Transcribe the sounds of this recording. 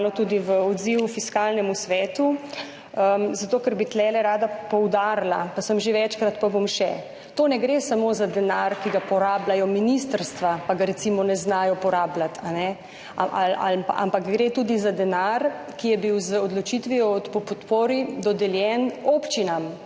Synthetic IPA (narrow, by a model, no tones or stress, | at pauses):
lɔt̪uːd̪iʋəɔd̪ziwufiskaːlnɛmusʋɛːt̪u | əmzat̪oːkəɾbit̪lɛːlɛɾaːd̪apɔwd̪aɾlapasəmʒeʋɛt͡ʃkɾat̪pabomʃɛ | t̪oːnɛɡɾesamoːzad̪ɛnaɾkiɡapɔɾaːblajɔminist̪əɾst̪ʋapaɡaɾɛt̪simɔnɛznaːjɔpɔɾaːblat̪ʰanɛ | ʔla̰a̰mpakɡɾet̪uːd̪izad̪ɛnaɾ | kijɛbiwzəɔd̪lɔt͡ʃit̪ʋiɔpɔpɔt̪poːɾid̪ɔd̪ɛljɛnopt͡ʃinam